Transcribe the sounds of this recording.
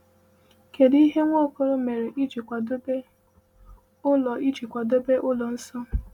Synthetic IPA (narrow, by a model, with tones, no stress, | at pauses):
ke˨di˦ɦe˦ŋʷo˦˨ko˦ɾʊ˦me˨ɾe˨ʔi˦d͡ʒi˨kʷa˨do˦be˦ | ʊ˦lɔ˨i˦d͡ʒi˨kʷa˨do˦be˦ʔʊ˦lɔ˨n̩˦sɔ˦